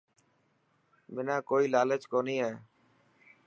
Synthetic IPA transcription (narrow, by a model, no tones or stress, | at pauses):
mɪnãːkoːiːlaːlət͡ʃkoːniːɦeː